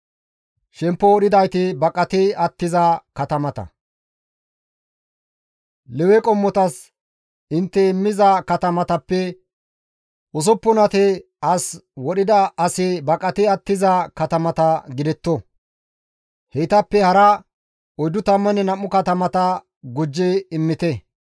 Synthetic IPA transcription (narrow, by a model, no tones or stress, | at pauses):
ʃɛmpːɔɔɗɪd̪ɐjt̪ɪbɐkʼːɐt̪ɪɐt̪ːɪzɐkɐt̪ɐmɐt̪ɐ̰ | lɛwɛkʼɔmːɔt̪ɐs | ɪnt̪ːɛɪmːɪzɐkɐt̪ɐmɐt̪ɐpːɛ | ʔʊs̬ɔpːʊnɐt̪ɛ | ɐswɔɗɪd̪ɐɐsɪbɐkʼːɐt̪ɪɐt̪ːɪzɐkɐt̪ɐmɐt̪ɐɡɪd̪ɛt̪ːɔ | hɛt̪ɐpːɛhɐɾɐ | ɔjd̪ʊt̪ɐmːɐnɛnɐmːʊkɐt̪ɐmɐt̪ɐ | ɡʊd͡ʒːɛɪmːɪt̪ɛ